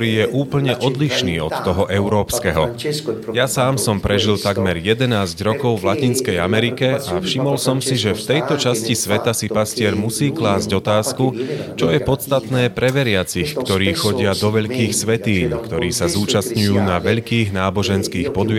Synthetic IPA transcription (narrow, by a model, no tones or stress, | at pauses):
ɾiːjɛʔuːpl̩ɲɛʔɔd̪liʃniːɔt̪ːɔɦɔʔɛʊɾɔːpskɛɦɔjasaːmsɔmpɾɛʒilt̪aɡmɛɾjɛd̪ɛnaːzɟɾɔkɔʊvlacinskɛjamɛɾikɛafʃimɔlsɔmsiʒɛft̪ɛjt̪ɔt͡ʃascisʋɛt̪asipascɪɛɾmusiːklaːzɟɔt̪aːskut͡ʃɔjɛpɔst̪at̪nɛːpɾɛʋɛɾɪat͡sixkt̪ɔɾiːxɔɟɪad̪ɔʋɛʎkiːxsʋɛt̪iːɲkt̪ɔɾiːsazuːt͡ʃast̪ɲujuːnaʋɛʎkiːɣnaːbɔʒɛnskiːxpɔd̪